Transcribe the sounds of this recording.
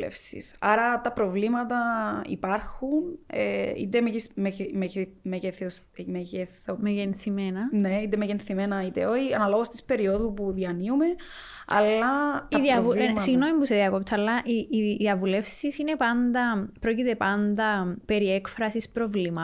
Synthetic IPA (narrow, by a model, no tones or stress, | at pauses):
ḛfsḭsɐɾɐt̪ɐpɾovlimɐt̪ɐḭpɐɾxunḛḭt̪emeismememeceθs | meceθomeʝenθimenɐneit̪emeʝenθimenɐit̪eoçiɐnɐloɣost̪i̥spe̞ɾio̞ðupuðiɐniume | ɐ̰lːɐt̪ðiɐvusiɣnomipuseðiɐkopt̪sɐlːɐʔiʔːðiɐvule̞fsisine̞pɐnd̪ɐpɾo̞cit̪e̞pɐnd̪ɐpe̞ɾiekfɾɐsispɾovlimɐ